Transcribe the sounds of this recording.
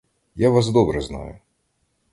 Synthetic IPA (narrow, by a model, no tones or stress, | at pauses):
jaʋas̬d̪ɔbɾɛznɑ̰jʊ